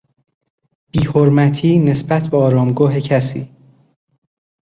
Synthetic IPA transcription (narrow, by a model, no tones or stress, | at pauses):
b̥iːhoɾmæt̪ʰiːne̞sbæt̪ʰbeɒːɾɒːmɡɒːɦecʰæsḭː